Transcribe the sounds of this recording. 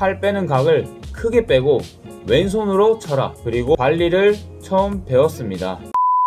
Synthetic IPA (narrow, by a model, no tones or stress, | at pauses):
aɭp͈e̞nɯnkaɡɯɭkʰɯɡe̞p͈e̞ɡo | we̞ns̬ʰonɯɾot͡ɕʰʌɾa̰kɯɾiɡopaʎːiɾɯɭ | t͡ɕʰʌɯmpe̞ʌs͈ɯmɲida̰